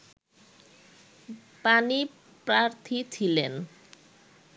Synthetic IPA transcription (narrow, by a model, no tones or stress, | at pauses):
pani | pɾaɾt̪ʰit͡ɕʰilen